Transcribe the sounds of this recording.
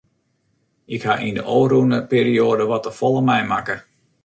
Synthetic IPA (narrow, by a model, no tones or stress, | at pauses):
ʔɪkhaʔində̰ʔoːrunəpeːɾioːdəʋɔtəfɔlˠəmɛjmakə